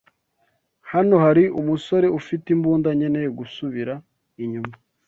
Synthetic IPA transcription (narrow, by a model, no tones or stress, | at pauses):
hano̞haɾiumuso̞ɾe̞ufitimbuːndaɲenejɡusuβiɾa | iɲuma